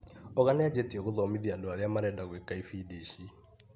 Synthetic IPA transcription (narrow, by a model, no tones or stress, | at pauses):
ɔɣanɛad͡ʑetieɣoðɔmiðiandaɾjamaɾɛdaɣwekaifidiʃi